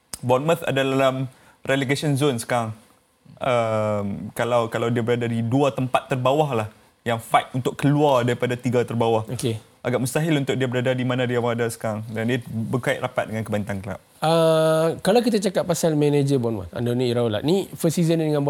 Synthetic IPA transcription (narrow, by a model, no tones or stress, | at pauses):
bɔnmət̪a̰dalalam | rɛleɡasənzonsə̥kaɾaŋ | əmkalawkalawdiabəɾadadiduat̪əmpat̪ːərbawaɦlah | jaŋfaɪt̪unt̪ʊʔkːəluardaɾipadat̪iɡat̪ərbawahoke | ʔaɡaʔ̚məst̪aɦɪlunt̪ʊk̚diabəɾadadimanãdiawaŋadasə̥kaɾaŋdandiabəkaɪ̰ʔ̪̚rapat̪̚dəŋankəbant̪ankəla̰p̚ | əkalawkit̪at͡ʃakat̪̚pasalmɛ̃ned͡ʒəbɔnmə̰t̪a̰ndoniiɾaula̰ʔnifəsizənidəŋãnb